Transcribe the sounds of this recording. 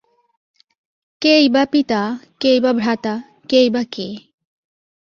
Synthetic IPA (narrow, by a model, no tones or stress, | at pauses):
kejbapit̪akejbabʱɾat̪a | kejbake